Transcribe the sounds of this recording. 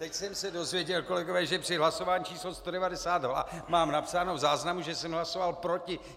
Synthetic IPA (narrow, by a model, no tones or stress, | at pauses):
t̪ɛcsɛmsɛdo̞zvjɛɟɛlko̞lɛɡovɛːʒɛpr̥ɪɦlaso̞vaːɲit͡ʃʰiːslost̪odɛvadɛsaːd̪ɦla̰maːmnapsaːno̞vzaːznamuʒɛsɛmɦlaso̞valpɾo̞cɪ